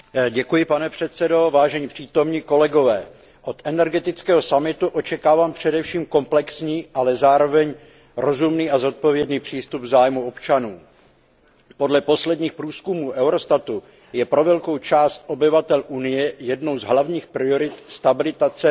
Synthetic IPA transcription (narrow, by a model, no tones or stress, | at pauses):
ɟɛkujɪpanɛpr̝̥ɛt̪sɛdo̞vaːʒɛɲiːpr̝̥iːt̪o̞mɲiːko̞lɛɡo̞vɛː | ʔo̞t̪ʔɛnɛɾɡɛt̪ɪt͡skɛːɦo̞samɪt̪uʔo̞t͡ʃɛkaːvaːmpr̝̥ɛdɛfʃiːmko̞mplɛksɲiːʔalɛzaːɾo̞vɛɲ | ɾo̞zumniːazo̞t̪̚po̞vjɛdniːpr̥iːst̪ubvzaːjmuopt͡ʃanuː | po̞dlɛpo̞slɛdɲiːxpɾuːskumuːʔɛwɾo̞st̪at̪u | jɛpɾo̞vɛlkowt͡ʃaːst̪ʔo̞bɪvat̪ɛlʔunɪjɛjɛdno̞wzɦlavɲiːxpɾɪo̞ɾɪt̪st̪abɪlɪt̪at͡sɛ